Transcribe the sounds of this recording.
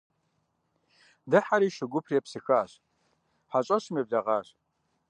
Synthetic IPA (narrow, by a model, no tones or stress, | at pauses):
dɨħaɾiːʃɨɡʷʊpʰriɛpsɨxaːɕ | ħaɕʼɐɕmeb̚dɐʁɑːɕ